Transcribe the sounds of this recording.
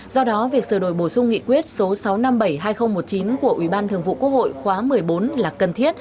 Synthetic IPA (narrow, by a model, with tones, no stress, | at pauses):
zɔ˧ɗɔ˨˦vi˨˩ək̚sɨː˧˩ɗo˧˩jɓo˧˩sʊ˧ŋ͡mŋḭ˧˨kwi˦˥ət̚so˨˦sa˨˦wna˧mɓə˧˩jɦaː˧jxə˧wŋ͡mmo˨˩t̚t͡ɕi˨˦nku˧˩əʔwi˧˩ɓaː˧nt̪ʰəŋvṵ˧˨kwk̚ho̰˧˨jxwaː˨˦mɨ˨˩əjɓo˨˦nlaː˨˩kə˨˩nt̪ʰi˦˥ət̚